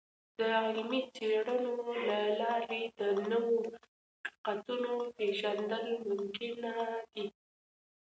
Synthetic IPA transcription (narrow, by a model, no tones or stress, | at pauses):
d̪̥əɑlmit͡seɽənolalɑɾed̪ənəwo | qi̥qat̪unopeʒand̪əlmʊmkɪnad̪i